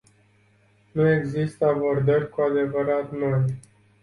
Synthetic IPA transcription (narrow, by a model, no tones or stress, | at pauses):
nue̞ɡzist̪əabo̞rd̪ərʲkuad̪e̞vəɾat̪noj